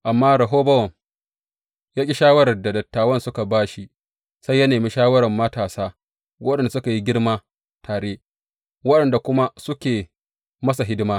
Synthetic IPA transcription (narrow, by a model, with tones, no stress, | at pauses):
ʔa˨mːaː˦ɾɐ˨ɦoː˦bɐ˦wɐ˨ŋ | jaː˦kʲʼi˦ʃaː˦wɐ˦ɽɐ˨rda˨dɐ˨tːaː˨wɐ˦nsʊ˦ka˨baː˦ʃi˦ | sa˦jːɐ˦neː˨miː˦ʃaː˦wɐ˦ɾɐ˨mːɐ˦taː˨saː˦ | wɐ˦ɗɐ˨nda˨sʊ˦ka˨ji˦ɡʲɪ˦ɽmaː˦ | tʰaː˨ɽeː˦ | wɐ˦ɗɐ˨nda˨kʷʊ˦ma˦sʊ˦kʲeː˨ | mɐ˦sa˨ɦɪ˦dɪ˦maː˦